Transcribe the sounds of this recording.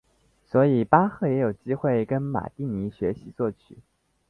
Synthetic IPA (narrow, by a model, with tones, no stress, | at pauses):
swɔ˧˥i˨˩pa˥xɤ˥˩jɛ˧˥jo˨˩ʊt͡ɕi˥xwe˥˩ɪkə˥nma̰˨˩t̪i˥˩ni˧˥ɕɥɛ˧˥ɕi˧˥t͡swɔ˥˩t͡ɕʰy̰˨˩˦